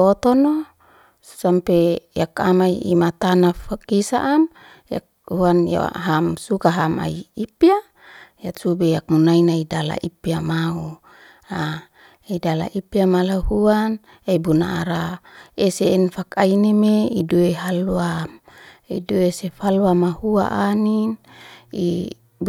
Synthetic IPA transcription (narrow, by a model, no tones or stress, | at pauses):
ot̪ɔno | sampejaka̰maiḭmat̪anafakisaʔːm | ja̰k̚ | huanja̰ɦamsukaɦama̰iipia | jat̪subejak̚munainaidala̰ʔipiamau | a | idala̰ʔipiamalahuan | aibunaːɾaeseːnfakainemeidueɦaluamḭduesefalwamahua̰ʔanin | ḭ